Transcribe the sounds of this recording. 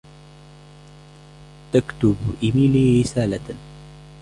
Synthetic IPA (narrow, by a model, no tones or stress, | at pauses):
t̪akt̪ʊbʔɪmiːliɾɪsaːla